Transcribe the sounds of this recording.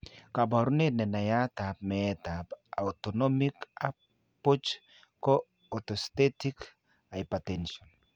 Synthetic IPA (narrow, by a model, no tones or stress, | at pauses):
kabaɾunenɛnajat̪ap̚mɛtapa̰wtonɔmika | pot͡ʃ | ko | otost̪etik | ajpatɛnʃɔn